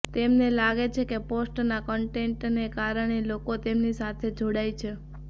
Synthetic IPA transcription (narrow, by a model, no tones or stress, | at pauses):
t̪emnelaɡet͡ʃʰekeposʈnakəɳʈeɳʈnekaɾəɳ̃elokot̪emnisat̪ʰed͡ʒʱoɽajt͡ʃʰe